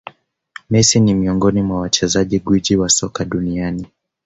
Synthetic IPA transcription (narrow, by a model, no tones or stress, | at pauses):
mɛsinimiɔŋɡɔnimwawat͡ʃɛzaʄiɡwid͡ʒiwasɔkaɗuniani